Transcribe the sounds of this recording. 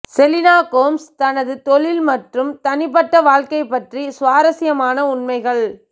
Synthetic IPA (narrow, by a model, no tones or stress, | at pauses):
sɛlɪnaːkoːmst̪ɐnɐðɯt̪ɔɭɪlmɐʈrɯmt̪ɐnɪp̬ːɐʈːɐʋaːɻkɐɪpːɐʈrisʊʋaːɾɐsɪjɐmaːnɐʊɳmɐɪɣɐɭ